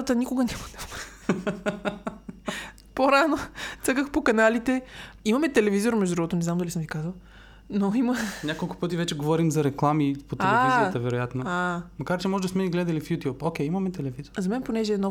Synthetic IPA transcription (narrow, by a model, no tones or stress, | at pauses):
t̪ənikʊɡɐnʲaməd̪ɐ | poɾanosəkəxpokɐnalit̪ɛimɐmɛt̪ɛlɛvizoɾmɛʒd̪ud̪ɾuɡot̪onɛznamd̪ɐlʲisəmvʲikazəlˠ | noimənʲakolˠkʊ̥pɤt̪ivɛt͡ʃɛɡovɔɾimzɐɾɛklˠamipot̪ɛaɛvizijət̪əvɛɾojat̪nɐamɐkaɾt͡ʃɛmɔʒɛd̪ɐsmɛniɡlɛd̪ɐlifjut̪jupokʲɛjimɐmɛt̪ɛlɛvizoɾzɐmɛnponɛʒɛːnɔ